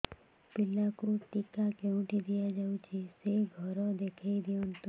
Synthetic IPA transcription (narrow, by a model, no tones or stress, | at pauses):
pɪlːakoʈikakeũʈid̪ijad͡ʒaũt͡ʃʰeseɡʱəɾɔd̪ekʰaid̪iõnt̪ũ